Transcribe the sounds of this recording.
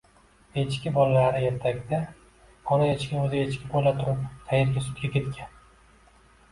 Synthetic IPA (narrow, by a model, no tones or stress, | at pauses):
e̞t͡ʃkʲɪbɒlalaɾɪe̞ɾt̪ʰaɡʲd̪a | ɒnajet͡ʃkʲɪnɵzɪet͡ʃkʲɪpbolat̪ʰʊɾɪpq̪ʰɑjeɾɡʲasʊ̥t̪̚ɡʲakʲʰe̞t̪kʲan